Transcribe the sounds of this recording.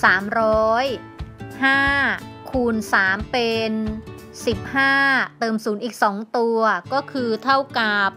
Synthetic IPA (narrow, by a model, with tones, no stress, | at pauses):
saː˩˦mɾɔː˦˥j | haː˥˩kʰuː˧nsaː˩˦mpe˧n | si˨˩p̚haː˥˩t̪ɤː˧msuː˩˦nʔiː˨˩k̚sɔː˩˦ŋt̪u˧ɐkɔː˥˩kʰɯː˧t̪ʰa˥˩wka˨˩p̚